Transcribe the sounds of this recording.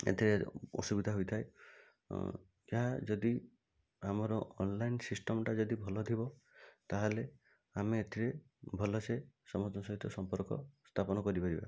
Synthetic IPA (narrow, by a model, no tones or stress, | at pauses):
ḛt̪ʰiɾeɔ̰subid̪ʱaɦojt̪ʰaj | eɦad͡ʒɔd̪i | amɔɾɔɔnlajnsisʈɔmʈad͡ʒɔd̪ibʱɔlɔt̪ʰibɔt̪aɦele | ameːt̪ʰiɾe | bʱɔlɔsesɔmɔd͡ʒɔnɔsɔɦit̪ɔsɔmpɔɾkɔ̰st̪ʰapɔnɔkɔɾipaɾiba̰